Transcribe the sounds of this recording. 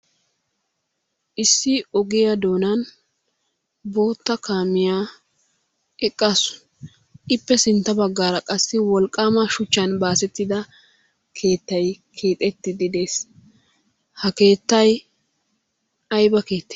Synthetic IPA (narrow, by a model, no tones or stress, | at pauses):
ʔɪsːɪɔɡɪjɐd̪o̞ːnɐn | bo̞ːt̪ːɐkaːmɪja | ɛkʼːasʊ̥ | ʔɪpːɛsɪnt̪ːɐbɐɡːaːɾɐkʼɐsːɪwɔlkʼːaːmɐʃʊt͡ʃːɐnbaːsɛt̪ːɪd̪ɐ | kʰe̞ːt̪ːɐjkʰeːt̪ʼɛt̪ːɪd̪ɪd̪e̞ːs | hɐke̞ːt̪ːɐj | ɐjbɐke̞ːt̪ːe̥